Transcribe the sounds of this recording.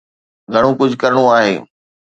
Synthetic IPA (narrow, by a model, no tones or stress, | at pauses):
ɡʱɐɽ̃ũkʊd͡ʑʱkɐɾɪɽ̃uaːɦḛː